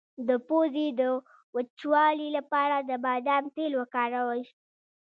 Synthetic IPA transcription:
d̪əpozid̪ə | wət͡ʃwɑlilapɑɾad̪əbɑd̪amt̪elwəkɑɾawə

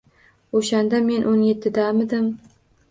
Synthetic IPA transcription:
oʃand̪ame̞nʔonje̞t̪ʰːɪd̪amɪd̪ɪm

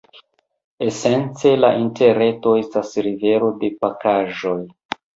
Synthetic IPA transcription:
e̞se̞nt͡se̞laʔinte̞ɾe̞to̞e̞stasɾive̞ɾo̞de̞pakaʒo̞j

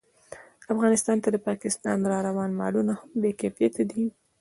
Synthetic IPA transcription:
afɣɑnɪst̪ɑnt̪ad̪əpɑkɪst̪ɑ̰nɾɑɾawɑnmɑ̰lunahambekefjet̪ʰad̪i

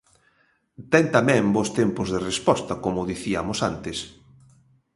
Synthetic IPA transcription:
t̪ɛnt̪amɛ̃mbost̪ɛmpʊzðerespɔst̪ɐkomʊðiθiɐmʊsant̪ɪs

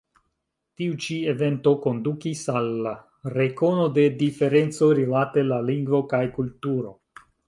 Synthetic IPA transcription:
tiut͡ʃie̞ve̞nto̞ko̞ndukisalːa | ɾe̞ko̞no̞de̞dife̞ɾe̞nt͡so̞jɾilate̞laliŋɡvo̞kajkultuɾo̞

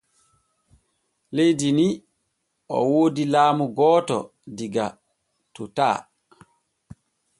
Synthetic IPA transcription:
lejdini | ʔɔ̰woːdilaːmuɡɔːtɔ̰ | diɡa | tuta̰ː

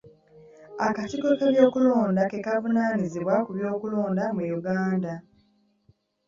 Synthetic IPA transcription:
akatiko̞keβjo̞ːkulo̞ːndake̞kavunaːniziβwakuβjo̞ːkulo̞ːndamujuɡaːnda

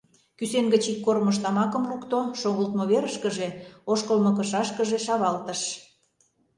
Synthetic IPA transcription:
kyseŋɡət͡ɕikːorməʃ̬t̪ɑmɑkə̆mlukt̪oʃoɣəlt̪moβeɾəʃkə̆ʒeoʃkəlmɤ̆kə̆ʃɑʃkəʒeʃɑβɑlt̪ə̆ʃ

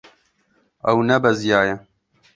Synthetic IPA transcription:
ɐwnɐbɐzjaːjɐ

